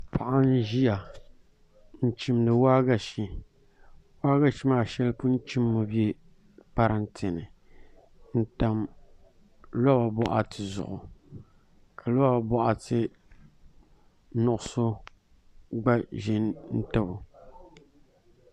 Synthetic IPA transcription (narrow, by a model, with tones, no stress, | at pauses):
pʰa˨ʔa˦n̩˦ʒi˦ja˨ | n̩˦t͡ʃi˦mnɨ˨waː˦ɡa˦˨ʃi˨ | waː˦ɡa˦ʃi˦maː˨ʃɛ˦lpʊ˦n̩˦t͡ʃi˦mːo˨bje˦ | pa˦ɾa˦n˦tʰɪ˨nɨ˨ | n̩˦ta˦m | lɔ˦ba˨bɔ˦ʔa˨tɨ˨zʊ̰˨ʔʊ˨ | kʰa˨lɔ˦ba˨bɔ˦ʔa˨tɨ˦ | nʊ˨ʔʊ˨˦so˦ | ɡ͡ba˦ʒɛ˦n˦n̩˦tɨ˦bʊ˨